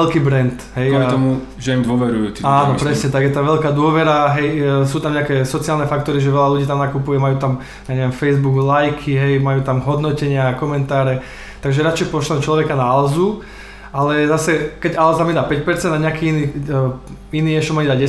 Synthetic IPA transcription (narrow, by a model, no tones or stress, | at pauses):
ɛlkiːbɾɛnt̪ɦɛjat̪ɔmu | ʒɛimd̪ʊɔʋɛɾujṵːt̪iaːnɔppɾɛsɲɛt̪aɡjɛt̪aʋɛlkaːd̪ʊɔʋɛɾaɦɛjs̬uːt̪amɲɛakɛːsɔt͡siaːlnɛfak̚t̪ɔɾiʒɛʋɛlaluɟiːt̪amnakupujɛmajuːt̪am | jaɲɛʋɛmfɛjzbuɡlajkʰiɦɛjmajuːt̪amɦɔd̪nɔcɛɲɪakɔmɛnt̪aːɾɛ | t̪aɡʒɛɾat͡ʃɛjpɔʃlɛnt͡ʃlɔʋɛkanaalzu | ʔalɛzasɛkɛɟalzamjid̪aːpɛc̚pɛɾt͡sɛnd̪aɲɛakiːiniː | iniːɛʃɔmaid̪aɟɛ